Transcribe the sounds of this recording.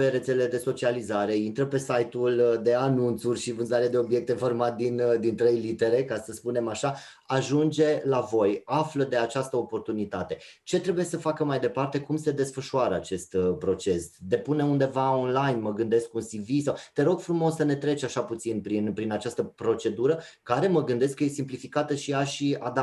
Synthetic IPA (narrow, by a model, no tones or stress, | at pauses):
peɾe̞t̪seleled̪e̞so̞t͡ʃializaɾe̞int̪ɾəpe̞sajt̪uld̪e̞anunt̪surʲʃivɨnzaɾead̪eo̞bje̞k̚t̪efo̞rmat̪̚d̪ind̪int̪ɾe̞jlit̪e̞ɾe̞kasəspune̞maʃa | aʒund͡ʒe̞lavo̞jafləd̪e̞at͡ʃast̪əo̞po̞rt̪unit̪at̪e̞t͡ʃe̞t̪ɾe̞buje̞səfakəmajd̪e̞part̪e̞kumse̞d̪e̞sfəʃuaɾəat͡ʃe̞st̪pɾo̞t͡ʃe̞sd̪e̞pune̞und̪e̞vaonlajnməɡɨnd̪e̞skunsivisawt̪e̞ɾo̞ɡ̥fɾumo̞sːəne̞t̪ɾe̞t͡ʃaʃaput̪sinpɾinpɾinat͡ʃast̪əpɾo̞t͡ʃe̞d̪uɾəkaɾe̞məɡɨnd̪e̞skːəje̞simplifikat̪əʃiaʃiad̪